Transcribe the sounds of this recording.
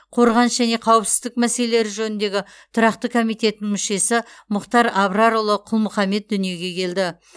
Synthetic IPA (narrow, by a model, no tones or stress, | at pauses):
qʰo̞ɾʁɑnsʒæne̞qʰɑwəpsɪ̥zd̪ɪk̚mæselele̞ɾɪʒɵnɪnd̪e̞ɡʲɪ | t̪ʰʊɾɑqt̪əkʰo̞mijt̪e̞t̪ɪnɪŋmʏʃe̞sɪmʊqt̪ɑɾɑbɾɑɾolˠəqʰʊlˠmʊχɑme̞t̪̚d̪ʏnije̞ɡʲe̞kʲʰe̞ld̪ɪ